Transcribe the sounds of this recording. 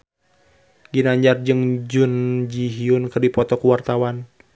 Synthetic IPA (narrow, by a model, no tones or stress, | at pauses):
ɡinaɲd͡ʒard͡ʒɨŋd͡ʒund͡ʒiɦiunkɨrdipɔt̪ɔkuwart̪awan